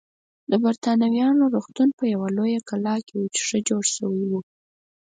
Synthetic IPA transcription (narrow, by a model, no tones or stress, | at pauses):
d̪əbaɾt̪ɑnawjɑnoɾuxt̪unpəjawalojakalɑkewut͡ʃʂəd͡ʒoɽʃəwəjwu